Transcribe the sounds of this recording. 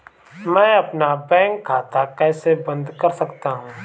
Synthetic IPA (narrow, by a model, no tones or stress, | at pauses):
mɛ̃ːɐpnabɛ̃ːŋkʰːaːt̪akɛːsebɐ̃nd̪kɐɾsɐkt̪aɦũː